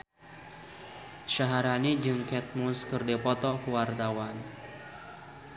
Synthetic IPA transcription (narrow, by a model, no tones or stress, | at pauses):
ʃaɦaɾanid͡ʒɨŋkɛt̪̚muskɨrdipɔt̪ɔkəwart̪awan